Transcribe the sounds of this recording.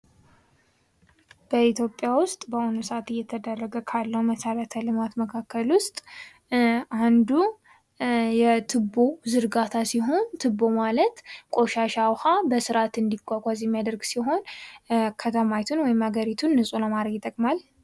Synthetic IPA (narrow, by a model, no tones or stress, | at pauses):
b̥əit̪ʰjo̞pʼːjawʊst̪ʼbəʔonosat̪ɨjːɛt̪ʰəd̪ərːəɡəkʰalːəwməsəɾət̪ʰəlɨmat̪məkʰakːəlwʊst̪ʼ | ʔand̪u | jɛt̪ʰɨbːo̞zɨɾɡat̪ʰasiɦo̞nt̪ʰɨbo̞malət̪kʷʼo̞ʃaʃawhabəsɨɾat̪ɨnd̪iɡʷʼakʷʼazɛmːjad̪əɾɡsiɦo̞n | kʰət̪ʰəmajt̪ʰunwɔjɪmhaɡəɾit̪ʰunːɨsʼuləmaɾəɡjɪt̪ʼəkʼmal